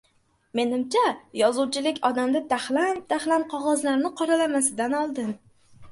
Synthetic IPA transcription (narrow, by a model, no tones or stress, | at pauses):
me̞nɪmt͡ʃʰajɒzuwt͡ʃʰɪlɪkʲɒd̪amd̪ad̪aχland̪aχlanqʰɒʁɒzlaɾnɪqʰɒɾalamasɪd̪anɒlˠd̪ɪn